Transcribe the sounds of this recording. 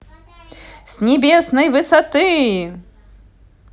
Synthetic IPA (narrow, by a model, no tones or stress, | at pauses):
sʲnʲɪbʲesnɨjvɨsɐt̪ɨ